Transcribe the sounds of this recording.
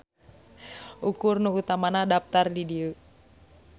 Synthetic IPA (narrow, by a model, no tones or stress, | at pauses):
ʔukʊrnuut̪amanadap̚t̪ardidiə